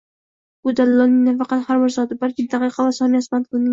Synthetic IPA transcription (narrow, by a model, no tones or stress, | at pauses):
bʊd̪alːɒnɪŋnafɑqɑt̪haɾbɪɾzɒd̪ɪbalkʲɪd̪aqɨqʰɑvasɒmiasmant̪̚kʊnɪŋ